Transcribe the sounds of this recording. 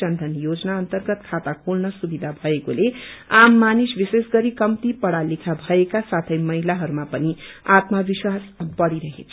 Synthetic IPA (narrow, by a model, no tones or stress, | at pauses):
ʌnd̪ʱʌnjod͡zʌnaʌnt̪ʌrɡʌt̪kʰat̪akʰolnʌsubid̪ʱabʱʌekoleamːanisbisesɡʌɾikʌmt̪ipʌɽalikʰabʱʌekasat̪ʰʌjmʌɦilaɦʌɾumapʌniat̪mʌbiswasbʌɽiɾʌɦḛt͡sʰ